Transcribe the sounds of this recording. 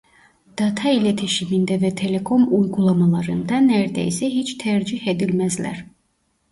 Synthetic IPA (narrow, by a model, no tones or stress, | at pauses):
d̪̥ɑt̪ʰɑilæt̪ʰeʃimind̪ævæt̪ʰe̞le̞kʰo̞mujɡulˠɑmɑlˠɑɾɯnd̪ɑnæɾd̪æ̰isɛɦet͡ʃt̪ʰæɾd͡ʒihed̪ilmæzlæ̰ɾ̥